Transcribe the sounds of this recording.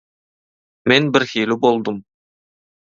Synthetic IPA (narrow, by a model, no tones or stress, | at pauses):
menbɪɾxilubolˠd̪əm